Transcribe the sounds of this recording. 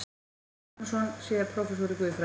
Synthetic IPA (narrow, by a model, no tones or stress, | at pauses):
sɔnsɛːðɪɾpʰɾɔfɛsɔɾɪkvʏːðfɾa